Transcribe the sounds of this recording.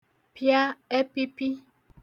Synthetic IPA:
pja˦ɛ˦pi˦pi˦

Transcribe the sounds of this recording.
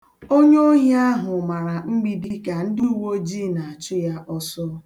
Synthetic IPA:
o˦ɲo˦ɦe˦a˦ɦʊ˨ma˨ɾa˨ŋ͡m̩˦ɡ͡bi˦di˦ka˨n̩˦di˦u˨wo˦d͡ʒi˦˨na˨a˨t͡ʃʊ˦ja˦ʔɔ˦sɔ˦

